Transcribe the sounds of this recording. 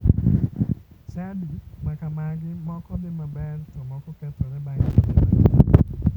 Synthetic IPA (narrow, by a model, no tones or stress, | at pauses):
sadimakamaɡɪmɔkɔd̪ɪmabɛrtɔmɔkɔkɛt̪ɔɾɛbaŋinaa